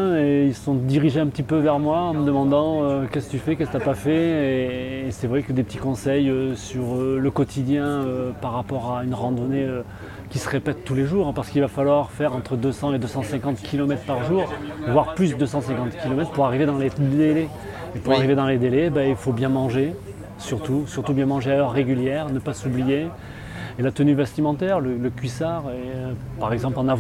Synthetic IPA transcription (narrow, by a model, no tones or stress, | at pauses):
eilsə̥sɔ̃d̪iʁiʒeɛ̃pət̪ipøvɛʁmwaɑ̃məd̪əmɑ̃d̪ɑ̃økʲɛskət̪yfɛkɛskt̪yapafɛeːsɛvʁɛkəd̪epət̪ikɔ̃sɛjøsyʁøləkɔt̪ʰid̪jɛ̃øpaʁːapɔʁaynʁɑ̃d̪ɔneø | kʲisəʁepɛt̪ːuleʒuːʁɛ̃paʁsə̥kilvafalwaʁfɛʁɑ̃t̪χəd̪øsɑ̃ed̪øsɑ̃sɛ̃kɑ̃t̪kʲʰilɔmɛt̪χpaʁʒuːʁvwaʁplysd̪øsɑ̃sɛ̃kɑ̃t̪kʲʰilɔmɛt̪χpuʁaʁived̪ɑ̃led̪elɛ | epuʁaʁived̪ɑ̃led̪elebailfobjɛ̃mɑ̃ʒe | syʁt̪usyʁt̪ubjɛ̃mɑ̃ʒeaœʁːeɡʲyljɛʁnəpasublije | elat̪ənyvɛst̪imɑ̃t̪ɛʁlələkʲɥisaʁeøpaʁɛɡzɑ̃plɑ̃nav